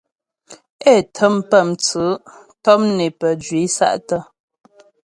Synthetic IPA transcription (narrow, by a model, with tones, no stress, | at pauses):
ɛ˦˨tʰə˦mpə˦˨mt͡sə˨˦ | tɔ˦m̚ne˨pə˨d͡ʒɥi˨˦sa̰˦ʔtə˦